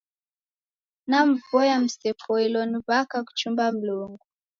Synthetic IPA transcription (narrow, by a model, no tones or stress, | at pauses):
nam̩vɔjam̩sɛpʰɔilɔniβakak̬u̥t͡ʃumbam̩luŋɡu